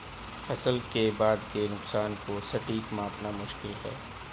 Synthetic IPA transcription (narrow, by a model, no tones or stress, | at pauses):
fɐsəlkebaːd̪kenʊqsaːnkosɐʈiːkmãːpnamʊʃkɪlɦɛ̰ː